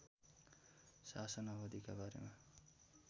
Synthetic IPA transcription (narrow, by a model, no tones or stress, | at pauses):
sasʌnabʌd̪ikabaɾḛma